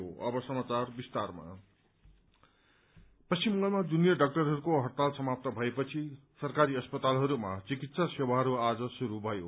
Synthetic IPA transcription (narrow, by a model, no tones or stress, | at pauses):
oʌ̰bʌsʌmat͡sarbist̪arma̰ | pʌst͡ʃimːʌŋɡʌlmad͡zunijʌɖʌk̚ʈʌrɦʌɾukoɦʌrt̪alsʌmap̚t̪ʌbʱʌepʌt͡sʰi | sʌrkaɾiʌspʌt̪alɦʌɾumat͡sikit̪sasewaɦʌɾuad͡zʌsuɾubʱʌjo̰